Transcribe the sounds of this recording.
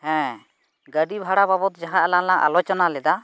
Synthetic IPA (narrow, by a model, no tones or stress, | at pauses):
hɛ̃ | ɡəɖibʱaɽababɔt̪d͡ʒaɦãʔɛlaŋlaŋʔa̰lɔt͡ʃɔnalɛd̪a